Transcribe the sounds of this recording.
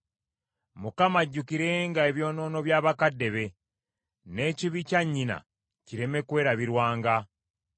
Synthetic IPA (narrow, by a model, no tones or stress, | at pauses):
mukamaɟːukiɾe̞ŋɡae̞βjo̞ːno̞ːno̞βjaːβakadːe̞βe̞ | ne̞ːciβicaɲːina̰ | ciɾe̞me̞kwe̞ːɾaβiɾwaːŋɡa